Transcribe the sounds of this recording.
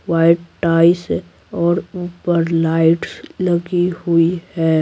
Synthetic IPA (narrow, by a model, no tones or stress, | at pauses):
waːɪʈʈaːɪse | ɔːɾuːpəɾlaːɪʈsləɡihuihɛː